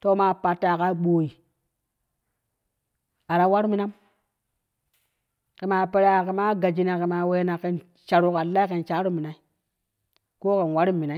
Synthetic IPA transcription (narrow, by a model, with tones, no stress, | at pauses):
to˦ma˦pa˨tːa˨ka˦ɓo˨ji˨ | a˨ɾa˦wa˦ɾu˦mi˦na˦m | ki˨ma˨pe˨ɾa˨ke˨ma˦ɡa˨d͡ʒi˦na˨ke˨ma˨we˦na˨ke˨n | t͡ʃa˨ɾu˦ka˨lːa˦i˦ke˨nt͡ʃa˨˦ɾu˦mi˨na˨i˦ | ko˦ke˨nwa˦ɾi˦mːi˨na˦